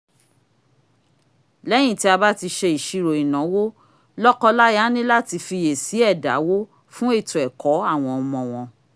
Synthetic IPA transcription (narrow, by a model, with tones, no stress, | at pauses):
lɛ˦j̃ĩ˦˨ti˦a˧ba˦ti˧ʃɛ˧i˨ʃi˧ɾo˨i˨nã˨˦wo˦ | lɔ˦kɔ˦la˦ja˦nĩ˦la˦˨ti˧fi˧je˨si˨˦ɛ˦˨da̰˨˦wo˦ | fũ˦e˦˨tũ˨ɛ˨kɔ˨˦a˦˨w̃ɔ̃˧ɔ˧mɔ̃˧w̃ɔ̃˧